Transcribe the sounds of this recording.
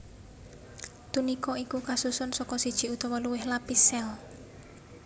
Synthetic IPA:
t̪unikɔikukasusʊnsɔkɔsid̥ʒ̥i̤ut̪ɔwɔluwɪhlapisɛl

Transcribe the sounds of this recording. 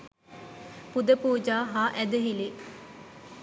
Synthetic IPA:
pud̪əpuːd͡ʒaːɦaːʔæd̪əɦile

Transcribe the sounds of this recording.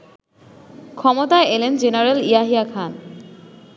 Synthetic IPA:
kʰɔmot̪aeelend͡ʑenaɾelijaɦiakʰan

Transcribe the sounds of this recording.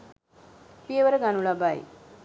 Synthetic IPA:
pijəʋəɾəɡanuɭabaj̰

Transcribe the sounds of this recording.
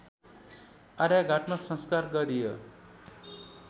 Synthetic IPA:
aɾjaɡʱaʈmasʌ̃nskarɡʌɾijo

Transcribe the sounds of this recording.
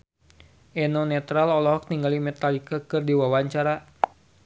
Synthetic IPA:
ʔɛnɔnɛt̪ɾalɔlɔɦɔk̚niŋɡalimɛt̪alikakɨrdiwawaɲt͡ʃaɾa

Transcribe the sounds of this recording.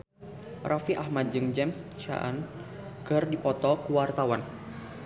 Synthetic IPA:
rʔafiʔahmat̪̚d͡ʒɨŋd͡ʒɛmst͡ʃa̰n | kɨrdipɔt̪ɔkuwart̪awan

